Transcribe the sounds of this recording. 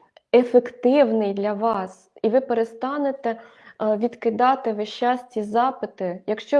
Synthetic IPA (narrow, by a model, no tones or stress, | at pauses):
efekt̪ɪwnɪjd̪lʲɐʋɑs | iʋɪpeɾest̪ɑnet̪ɛ | ʋʲid̪kɪd̪ɑt̪ɪʋɪʃt͡ʃːɑsʲtʲizɑpɪt̪ɪjɐkʃt͡ʃɔ